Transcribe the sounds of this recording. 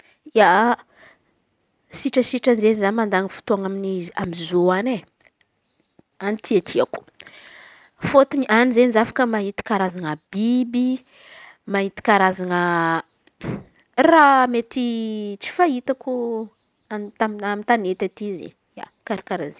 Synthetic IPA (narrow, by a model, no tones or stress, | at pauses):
ja | siʈ͡ʂəsiʈ͡ʂanzenizanimand̪aŋəfu̥t̪uaŋaminiziamizoane | anit̪ʰiat̪ʰiaku̥ | fot̪iniʔanizenizafḁkəmaɦit̪i̥kaɾazaŋəb̥ibi | maɦit̪i̥kaɾazaŋə | ramet̪it͡si̥fait̪aku | anamamint̪anet̪at̪izḭ | ja̰ | kaɾikaɾanze